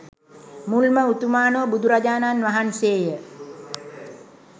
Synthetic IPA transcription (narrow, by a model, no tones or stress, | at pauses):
mulməut̪umaːnobud̪uɾad͡ʒaːnanʋaɦanseːjə